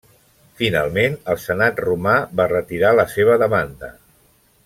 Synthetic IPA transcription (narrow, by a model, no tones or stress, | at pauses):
fina̰lˠmenəlˠsənat̪rumaβarət̪iɾaləseβ̞əðəmand̪ə̰